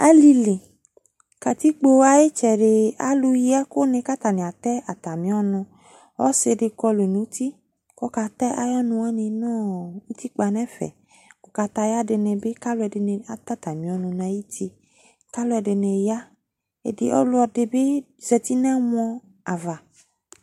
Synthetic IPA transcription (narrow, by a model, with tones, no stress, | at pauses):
a˦li˧li˨ | ka˨t̪i˦k͡po˧a˦je˦t͡ʃɛ˨ɖe˨a̰˦lu˧ji˦a˦ko˦nẽ˧ka˦t̪a˨nẽ˨a˨t̪ɛ˦a˨t̪a˨mĩ˨˦ɔ˦nʊ̃˧ | ɔ̰˦se˧de˧kɔ˧lo˨e˨nũ˨˦t̪i˦ | kɔ˦ka˧t̪ɛ˦ʔa˦jɔ˦nũ˧a˦nĩ˧nɔ̃˦u˦t̪i˦k͡pa˧nɛ̃˦fɛ̰˨ | kɔ˨ka˧t̪a˧ja˦de˧nɛ̃˨be˦ka˦lu˦ɛ˧de˧ne˧a˦t̪a˦t̪a˨mĩ˨ɔ˨˦nũ˧n˨ã˨˦ji˦t̪i˧ | ka˦lu˦ɛ˧de˧nẽ˧ja˦ | ḛ˨de˨ʔɔ̰˦lʊ˦ɔ˧de˧be˦ | zɛ˧t̪i˦nɛ̃˦m̃˦ɔ̃˧ | a˨va˨